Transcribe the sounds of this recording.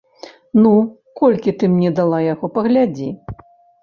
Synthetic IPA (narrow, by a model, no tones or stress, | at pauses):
nu | kɔlʲkʲit̪ɨmnʲɛd̪alˠajaɣɔpɐɣlʲad͡zʲi